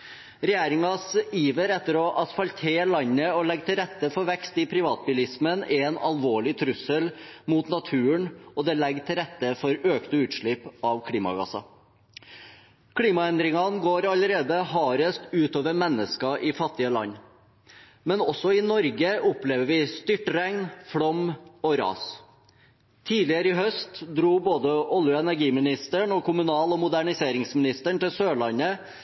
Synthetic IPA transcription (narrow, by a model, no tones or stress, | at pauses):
ɾɛjæːɾɪŋɑsiːʋəɾɛt̪ːəɾɔʔɑsfɑlt̪ʰeːɭɑɲːəɔlɛɡt̪ʰɪlɾɛt̪ːəfɔɾʋɛkst̪ɪpʰɾɪʋɑːt̪̚bʏlɪsmənɛnɑ̰lʋoːɭɪt̪ʰɾʉsəlmuːt̪nɑt̪ʰʉːəɳɔd̪ɛlɛɡːt̪ʰɪlɾɛt̪ːəfɔɾøːkt̪əʉːt̪ʂɭɪpɑʋkʰɽiːmɑ̰ɡɑ̰sɑ̰ | kʰliːmɑɛnd̪ɾɪŋɑnɡoːɾɑləɾeːd̪əhɑːɾəst̪ʉːt̪oːʋəɾmɛnːəskɑʔɪfɑt̪ːɪəlɑ̰nː | mɛnɔsɔɪnɔɾɡəʊpleːʋəɾʋɪst̪ʏʈɾɛŋnfɽɔmɔɾɑ̰ːs | t̪ʰiːlɪəɾəɪɦœst̪d̪ɾuːboːd̪əʔɔljʊɛnæɾɡiːmɪnɪst̪əɳɔkʰʊmʉnɑːlɔmʊd̪æɳɪseːɾɪŋsmɪnɪst̪əɳʈ̪ɪlsøːɭɑnə